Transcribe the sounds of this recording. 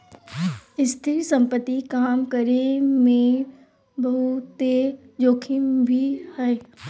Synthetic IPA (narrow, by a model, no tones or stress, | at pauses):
ɪst̪ʰɪɾsɐ̃mpət̪ːikaːmkəɾemẽ | bɐɦut̪e | d͡ʒoːkʰɪmbʱihɛː